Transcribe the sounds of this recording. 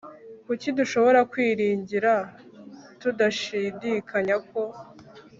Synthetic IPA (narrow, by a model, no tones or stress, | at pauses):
kuciduʃo̞βo̞ɾakwiːɾiːɲɟiɾa | tudaʃidikʰaɲako̞